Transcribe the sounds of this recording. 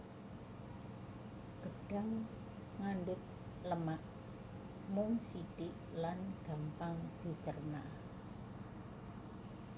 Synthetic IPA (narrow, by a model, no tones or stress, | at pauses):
ɡ̥əɖ̥a̤ŋ | ŋanɖʊt̪̚ | ləmaʔ | mʊŋsiɖ̥iʔlanɡ̥a̤mpaŋd̪̥i̤t͡ʃərna